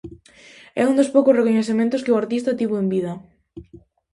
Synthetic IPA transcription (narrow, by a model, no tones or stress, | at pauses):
ɛ̰und̪ospowkʊsrekoɲeθemẽnt̪ʊskɪʊaɾt̪ist̪ɐt̪iβoembiðɐ